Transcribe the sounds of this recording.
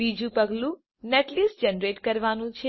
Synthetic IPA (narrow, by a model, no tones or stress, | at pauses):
id͡ʒũpəɡlũ | neʈlisd͡ʒɛnɾeʈkəɾʋanũt͡ʃʰe